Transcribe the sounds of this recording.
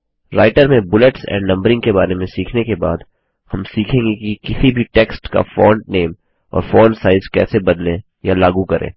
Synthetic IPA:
ɾaːɪʈəɾmẽbʊləʈsɛ̰̃ːɳɖnɐ̃mbəɾɪ̃ŋɡkebaːɾemẽsiːkʰnekebaːd̪ | hɐmsiːkʰẽːŋɡekikɪsibʱiʈeːksʈka̰fɔːɳɖneːm | ɔ̰ːɾfoːnsaːɪzkɛ̰ːsebɐd̪lẽ | jalaːɡukɐɾʔḛ̃ː

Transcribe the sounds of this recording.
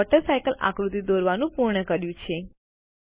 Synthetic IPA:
ɔʈəɾsajkəlʔa̰kɾut̪id̪oɾʋanũpuɾɳəkəɾjũt͡ʃʰe

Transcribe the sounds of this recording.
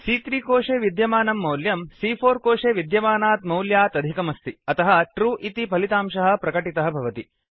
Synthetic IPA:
siːt̪ɾiːkoːʂeːʋid̪jɐmaːnɐmːɐwljɐmsiːpʰoːɾkoːʂeːʋid̪jɐmaːnaːt̪mɐwljaːt̪ɐd̪ʱikɐmɐst̪iɐt̪ɐɦɐʈɾuːʔit̪ipɐlit̪aːmʃɐɦɐ̆pɾɐkɐʈit̪ɐɦɐbʱɐʋɐt̪i

